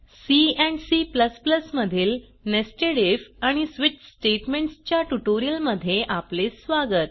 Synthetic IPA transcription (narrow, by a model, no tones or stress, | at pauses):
siɛ̃ɳsipləspləsməd̪ʱiːl | nesʈeɽefaɽ̃isʋit͡ɕsʈeʈmeɳʈst͡ɕjaʈuʈoɾijəlməd̪ʱːjeʔaplesʋaɡət̪̚